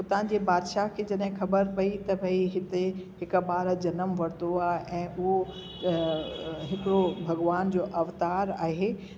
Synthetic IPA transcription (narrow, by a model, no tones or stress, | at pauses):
ʊt̪ã̆d͡ʑebaːd̪ʃakʰed͡ʑɐɗɦɪ̃xɐbəɾpɐit̪ɐbʱɐiɦɪt̪eɦɪkbaːɾd͡ʑɐnəmʋɐɾt̪oaːɦʔɛ̃ːʊɦo | ɦɪkɪɽobʱɐɡʋaːnd͡ʑoːʔɐʋt̪aːɾaːɦe